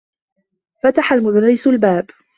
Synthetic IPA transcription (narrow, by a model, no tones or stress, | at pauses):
fat̪aħalmʊðarːɪsʊlbaːb